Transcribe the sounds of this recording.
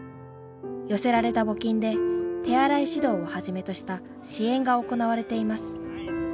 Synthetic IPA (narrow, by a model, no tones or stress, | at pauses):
jo̞se̞ɾaɾe̞t̪abo̞kʲĩnd̪e̞t̪e̞aɾaiɕid̪o̞ːahaʑime̞t̪o̞ɕi̥t̪a | ɕiẽ̞ŋɡao̞ko̞naβ̞aɾe̞t̪e̞imasɨ̥